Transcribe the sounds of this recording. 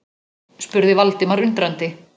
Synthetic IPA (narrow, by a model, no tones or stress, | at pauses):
spʏɾðɪvalt̪ɪmaɾʏnt̪ɾant̪ɪ